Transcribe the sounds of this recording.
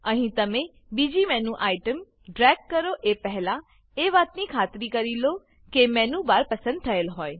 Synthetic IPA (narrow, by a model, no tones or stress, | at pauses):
əɦĩt̪əmẽ | bid͡ʒimɛ̃nũʔaiʈəm | ɖɾɛːkːəɾoʔepɛɦlã | eʋaːt̪nikʰaːt̪ɾikəɾilo | kemɛ̃nũbaːɾpəsə̃nd̪̚t̪ʰəelɦoːe